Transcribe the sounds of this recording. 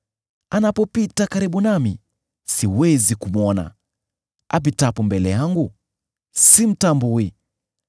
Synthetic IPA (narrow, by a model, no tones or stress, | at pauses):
anapɔpitakaɾiɓunami | siwɛzikumwɔna̰ | ap̬itapɔmbɛlɛjaŋɡu | sim̩tambui